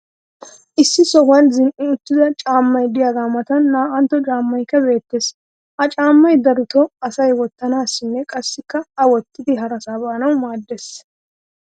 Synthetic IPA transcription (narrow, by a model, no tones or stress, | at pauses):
ʔɪsːɪsɔhɐnzɪnʔɪʊt̪ːɪd̪ɐt͡ʃʼaːmːɐjd̪ɪjaɡ̪aːmɐt̪ɐnːaːʔɐnt̪ːɔt͡ʃʼaːmːɐjkːɐbe̞ːt̪ːeːs | ʔɐt͡ʃʼaːmːɐjd̪ɐɾʊt̪ɔɐsɐjwɔt̪ːɐnaːsːɪnːɛkʼɐsːɪkːɐɐwɔt̪ːɪd̪ɪɦɐɾɐsaːbaːnɐwmaːd̪ːes